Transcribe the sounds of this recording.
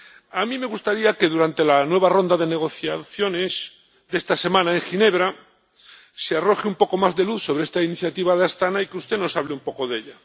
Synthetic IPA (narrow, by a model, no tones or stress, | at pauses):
amĩme̞ɣ̞ust̪aɾiake̞ðuɾant̪e̞lanwe̞β̞aro̞nd̪aðe̞ne̞ɣ̞o̞θjaθjo̞ne̞s | ðe̞st̪ase̞mãnaeŋxine̞β̞ɾa | searo̞xeumpo̞ko̞mazðe̞luθso̞βɾeest̪ainiθjat̪iβaðast̪anaikeust̪eno̞saβleumpo̞ko̞ðe̞ʎa